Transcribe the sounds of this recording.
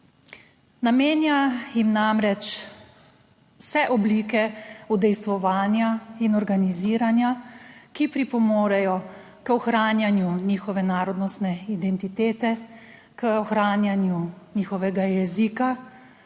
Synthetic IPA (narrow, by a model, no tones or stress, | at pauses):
nameːnjajimnamɾɛt͡ʃ | wsɛʔɔbliːkɛud̪ɛjst̪ʋɔʋaːnjainɔɾɡaniziːɾanjakipɾipɔmoːɾɛjɔ | kɔxɾaːnjanjuniːxɔʋɛnaːɾɔd̪nɔst̪nɛid̪ɛnt̪it̪eːt̪ɛ | kəɔxɾaːnjanjuniːxɔʋɛɡajɛziːka